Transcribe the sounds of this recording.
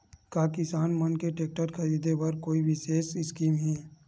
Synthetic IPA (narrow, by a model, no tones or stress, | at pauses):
kaːkɪsaːnmɐnkeʈeːk̚ʈəɾkʰɐɾiːd̪ebɐɾkoːiʋɪʃeːʃɪskiːmɦɛː